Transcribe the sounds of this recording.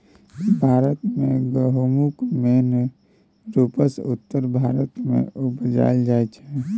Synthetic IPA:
bʱaːɾət̪mẽɡəɦumukmeːn | ɾupəsʊ̰t̪ːəɾbʱaːɾət̪mḛ̃ʊbəd͡ʒa̰ld͡ʒaːet͡ʃʰɛ

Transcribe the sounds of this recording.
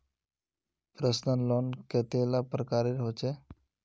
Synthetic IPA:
pɾəsnənlonket̪elapɾəkaːɾeɾɦot͡ʃʰe

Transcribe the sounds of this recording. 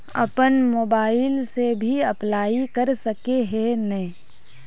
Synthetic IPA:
ɐ̰pənmoːbaːɪlsebʱiɐplaːikəɾsəkeɦenɛĩ

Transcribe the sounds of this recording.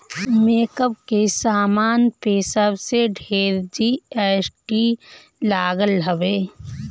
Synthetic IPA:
meːkəpkesaːmaːnpeːsəbseɖʱeːɾd͡ʒieːsʈi | laːɡəlɦəʋeː

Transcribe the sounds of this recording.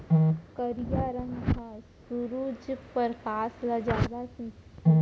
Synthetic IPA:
kəɾijaɾəɦkʰasuɾuːd͡ʒpəɾkaːslad͡ʒaːd̪asĩ

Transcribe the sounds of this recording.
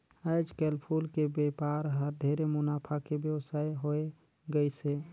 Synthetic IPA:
əɪd͡ʒkɛlpʰulkebepaɾɦəɾɖ̪ʱeɾemʊnapʰakebjəwsajɦoe | ɡəjse

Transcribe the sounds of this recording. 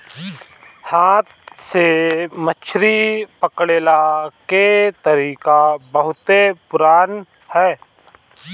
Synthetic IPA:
haːt̪semət͡ʃʰɾipəkɽeːlaket̪əɾiːkabəɦʊt̪epʊɾaːn | hɛː

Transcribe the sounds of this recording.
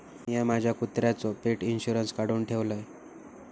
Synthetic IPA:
jɛmad͡ʑʱjakut̪ɾjat͡sɔpeʈinɕuɾənskaɽuːɳʈʰeʋləj

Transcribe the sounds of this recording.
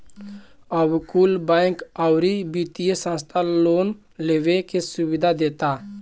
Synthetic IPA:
əbkulbakawɾibit̪ijesə̃st̪ʰaloːn | leːʋekesubɪd̪ʱad̪eːt̪a

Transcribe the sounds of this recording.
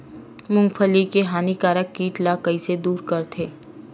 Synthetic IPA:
mʊ̃ŋɡfʰəlikeɦaːnikaːɾəkːiːʈlakɐised̪uːɾkɐɾt̪ʰeː

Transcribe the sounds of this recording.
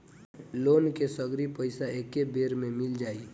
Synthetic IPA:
loːnkesəɡɾipəɪsaekebeːɾmẽmɪld͡ʒaːi

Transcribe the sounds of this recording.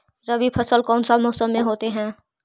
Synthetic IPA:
ɾəbipʰəsəlkɔːnsamɔːsəmːẽɦoːt̪eɦɛ̃ː

